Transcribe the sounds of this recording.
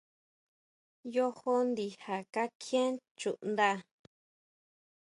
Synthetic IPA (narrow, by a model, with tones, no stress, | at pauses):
jo˦ho˦nd̪i˧ha˨ka˦kʰjẽ˦t͡ʃu˨ʔnd̪a˦